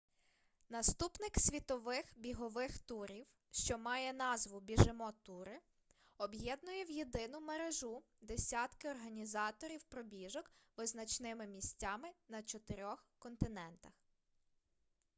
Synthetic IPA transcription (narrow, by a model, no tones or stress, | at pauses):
nɐst̪upnɪksʲʋʲit̪ɔʋɪxbʲiɦɔʋɪxt̪uɾʲiw | ʃt͡ʃɔmɑjɛnɑzʋʊbʲiʒɪmɔt̪uɾɪ | ɔbjɛd̪nʊjɛwjed̪ɪnʊmeɾeʒu | d̪esʲɑt̪kɪɔrɦɐnʲizɑt̪ɔɾʲiwpɾɔbʲiʒɔkʋɪznɐt͡ʃnɪmɪmʲisʲtʲːɑmɪnɐt͡ʃɔt̪eɾʲɔxkɔnt̪ɪnɛnt̪ɐx